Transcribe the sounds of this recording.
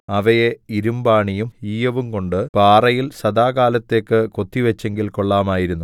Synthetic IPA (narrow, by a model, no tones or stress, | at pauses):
ɐʋɐjeiɾumbaːɳijumiːjɐʋumko̞ɳɖɨpaːrɐjilsɐd̪aːkaːlɐt̪ːe̞ːkːɨko̞t̪ːiʋɐt͡ɕːeŋɡilko̞ɭːaːmaːjiɾunːu